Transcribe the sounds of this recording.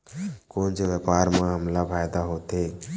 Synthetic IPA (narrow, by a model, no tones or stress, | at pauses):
koːnt͡ʃeʋəpaːɾmãɦəmlapʰaːjd̪aɦoːt̪e